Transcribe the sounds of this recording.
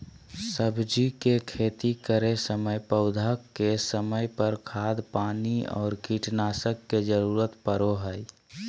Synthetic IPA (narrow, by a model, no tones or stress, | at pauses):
səbd͡ʒikekʰeːt̪ikəɾesəməjpəʊd̪ʱakːesəməjpəɾkʰaːd̪paːniɔ̰ːɾkiʈnaːsəkːed͡ʒəɾuːɾət̪pəɾoɦəj